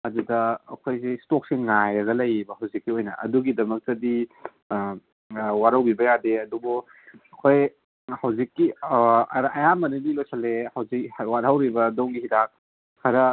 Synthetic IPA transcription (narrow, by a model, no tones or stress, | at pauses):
ɐdudɐ̰ːkʰojsestok̚siŋŋajɾɐɡɐlɐjɾibɐhɐwzikːiojnɐ̰ɐ̰duɡidɐmɐk̚tɐdi | waɾɐwbibɐjadeɐdubu | ɐkʰoj | hɐwzikːi | ɾɐjamɐninilojsʰɐlehɐwzikwaɾhɐwɾibɐdowŋɡiɦidak̚ | kʰɐɾɐ